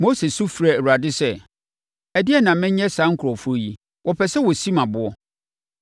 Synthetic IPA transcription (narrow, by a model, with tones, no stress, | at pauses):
mo˦se˨su˦fɾa˨ɾu˨a˨dɪ˦sɛ˦ | æ˨dɪ˦ɛ˦˨nã˨mɪ̃˦ɲ˦ɛ̃˦sã˨˦ŋ̩˦kʰʊ˨ɾɔ˨fʊ˦o˦ji˨ | wɔ˨pʰɛ˨sɛ˦wɔ˨sĩ˦mã˨bʊ˨ɔ˦